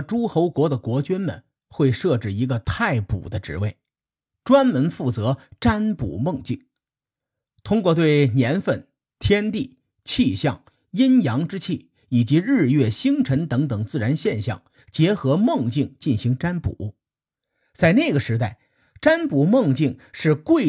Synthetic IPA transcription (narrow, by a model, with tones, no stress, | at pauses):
ʈ͡ʂu˥xo˧˥ʊkwɔ˧˥d̪ə˨kwɔ˧˥t͡ɕy˥nmə̰˨n | xwe˥˧ɪʂɤ˥˧ʈ͡ʂɻ̩˥˩i˧˥ɡə˧t̪ʰa˥˩ɪpṵ˨˩d̪ə˦ʈ͡ʂɻ̩˧˥we˥˩ɪ | ʈ͡ʂwa˥nmə˧˥nfu˥˩t͡sɤ˧˥ʈ͡ʂa˥npṵ˨˩mɤ˥˧ŋt͡ɕi˥˩ŋ | t̪ʰʊ˥ŋkwɔ˥˧t̪we˥˩ɪnjɛ˧˥nfə˥˩n | t̪ʰjɛ˥nt̪i˥˩ | t͡ɕʰi˥˧ɕjɑ̰˥˩ŋ | ji˥njɑ˧˥ŋʈ͡ʂɻ̩˥t͡ɕʰi˥˩ | i˨˩t͡ɕi˧˥ɻɻ̩˥˧ɥɛ˥˩ɕi˥ŋʈ͡ʂʰə˧˥nt̪ɤ˧˥ŋt̪ɤ˨˩ŋt͡sɹ̩˥˩ɻa˧˥nɕjɛ˥˧nɕjɑ̰˥˩ŋ | t͡ɕjɛ˧˥xɤ˧˥mɤ˥˧ŋt͡ɕi˥˩ŋt͡ɕi˥˩nɕi˧˥ŋʈ͡ʂa˥npṵ˨˩˦ | t͡sa˥˧ɪ̯ne˥˩ɡə˩ʂɻ̩˧˥t̪a˥˩ɪ | ʈ͡ʂa˥npu˨˩mɤ˥˧ŋt͡ɕi˥˧ŋʂɻ̩˥˧kwe˥˩ɪ